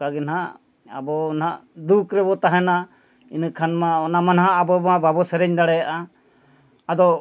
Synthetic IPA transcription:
aɡɛnɦaʔ | a̰bɔnaʔd̪ukɾɛbɔt̪aɦɛna | inəkʰanmaɔnamanɦaʔːbɔbababɔsɛɾɛɲd̪aɽɛjaʔa | ad̪ɔ

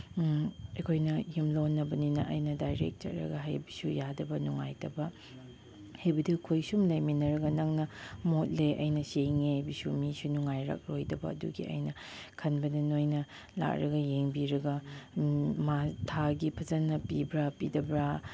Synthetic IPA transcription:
ekʰojnɐjimlonːɐbɐninɐ̰ʔɐjnɐdajɾḛk̚tɐ̰ɾːɐ̰ɡɐɦɐ̰jbisujadɐbɐnuŋajtɐbɐ | hajbɐdikʰojsumlɐjminɐɾɐɡɐnɐŋnɐmot̚leʔɐ̰jnɐseŋehajbisumisunuŋajɾɐ̰k̚ɾojdɐbɐ̰ɐdṵɡḭɐ̰jnɐ | kʰɐnbɐdɐnojnɐ | la̰k̚ɾɐɡɐjeŋbiɾɐɡɐ | matʰaɡipʰɐzɐnːɐpibɾapidɐbɾa

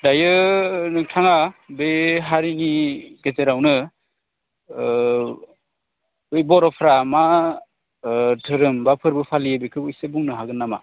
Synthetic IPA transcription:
dajɯnɯŋtʰaŋabeɦaɾiŋiɡeteɾawnɯ | ɯjbɔɾɔpʰɾama | tʰɯɾɯmbapʰɯɾbɯpʰalijɯbekʰɯɯjsebuŋnɯɦaɡɯnːama̰

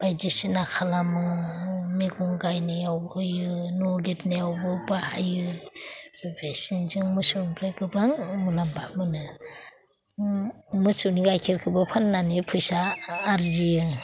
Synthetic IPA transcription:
b̥ajd͡ʒisinakʰalamɯmiɡɔŋɡajnɯjawbjɯnɔlitnajawbɯbaajɯ | besinzɯŋmɯsunbʰlɯjɡɯbaŋmulambamɯnɯ | mɯsuniɡajkʰiɾkʰɯbɯpʰanːanipʰujsaːɾzijɯ

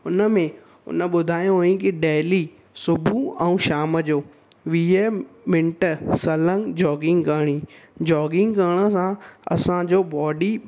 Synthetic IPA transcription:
ʊnəmẽ | ʊ̰nə̆ɓʊd̪ʱaːjõɦõːĩkɪɗeːli | sʊbʱuɛ̃ũːʃaːməd͡ʑoː | ʋiːəmɪ̃ɳʈəsɐlə̃ŋɡd͡ʑɔːɡɪ̃ŋɡkəɽ̃iːd͡ʑɔːɡɪ̃ŋɡkəːɽ̃ə̆sãɐ̰sãd͡ʑoːbɔːɖi

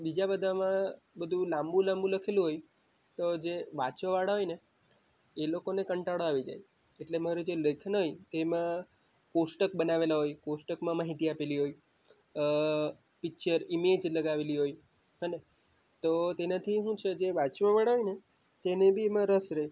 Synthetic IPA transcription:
bid͡ʒabəd̪ʱamã | bəd̪ʱũlãmbũlãmbũləkʰelũɦoj | t̪od͡ʒeʋat͡ʃʋə̃ʋaɽɦojne | elokonekəɳʈaɽoaʋid͡ʒa̰j | eʈlemaɾod͡ʒeləkʰnɦojt̪emã | kosʈəkbənaʋelaɦojkosʈəkmãmaɦit̪iapeliɦoj | pɪkt͡ʃəɾimed͡ʒləɡaʋeliɦoj | ɦəne | t̪ot̪enat̪ʰiɦũt͡ʃʰed͡ʒeʋat͡ʃʋə̃ʋaɽaɦojne | t̪enebʱiemãɾəsɾəɦe

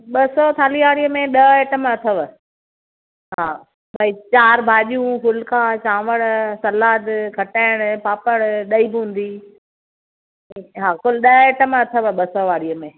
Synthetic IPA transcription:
ɓɐsɔt̪ʰaːliʋaːɽijəmẽɗɐeːʈəmɐt̪ʰəʋə | ɦaː | bʱɐit͡ɕaːɾbʱaːʄijũkʊlkat͡ɕãːʋəɽsɐlaːd̪kʰɐʈaːɪɽ̃ʊpaːpəɽɗɐiːbɪɦũːn̆d̪i | ɦaːkʊlɗɐeːʈəmɐt̪ʰəʋɓɐsɔʋaːɽiəmẽ

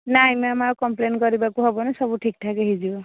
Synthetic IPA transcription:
najmɔamaɹkɔmplenkɔɹibakuɦɔbɔnɛsɔbuʈʰik̚tʰakeɦizibɔ

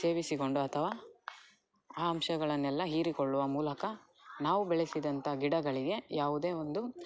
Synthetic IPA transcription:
se̞ːʋisiko̞ɳɖuɐt̪ʰɐʋaː | aːɐmʃɐɡɐɭɐnːɛlːɐɦiːɾikoɭːuʋɐmuːlɐkɐ | naːʋubɛɭesid̪ɐnt̪ʰɐɡiɽɐɡɐɭiɡe̞jʔaːʋud̪e̞ːo̞nd̪u

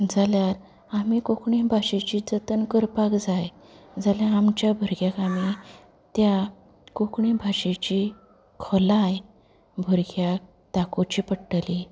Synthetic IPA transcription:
d͡zaljaɾ | amikokɳibʱaɕet͡ɕiːd͡zət̪ənkəɾpakd͡zaj | d͡zaljaːmt͡ɕjabʱəɾɡjakami | t̪ja | kokɳĩbʱaɕet͡ɕi | kʰɔlaj | bʱəɾɡjak̚ | t̪akot͡ɕiːpəɽʈəli

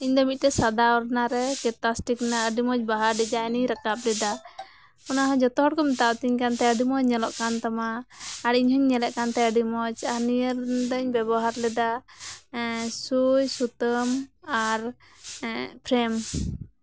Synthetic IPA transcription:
iɲd̪ɔmit̪̚ʈɛsad̪aɔɾnaɾɛkɛt̪asʈiknaəɖimɔd͡ʒbaɦaɾɖɛd͡ʒaɛniɾakap̚lɛd̪a | kɔnaɦãd͡ʒɔt̪ɔɦɔʈkɔmɛt̪at̪iɲkant̪ɛəɖimɔd͡ʒɲɛlɔʔkant̪amaːɽiɲɦɔɲːɛlɛʔkant̪ɛəɖimɔd͡ʒaniəɾd̪ɔɲbɛbɔɦaɾlɛd̪a | sujsut̪əmaɾ | pʰɾɛm

